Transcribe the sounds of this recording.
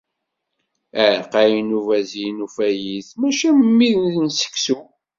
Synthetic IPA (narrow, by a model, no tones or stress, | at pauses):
æɾqæjnuvæzjinufæjiθmæʃæmmːiðnθənsə̥ksu